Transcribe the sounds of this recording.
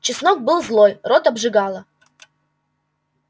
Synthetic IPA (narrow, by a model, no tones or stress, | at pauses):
t͡ʃɪsnɔk̚bɨlˠzlˠojrot̪ɐbʐɨɡalˠɐ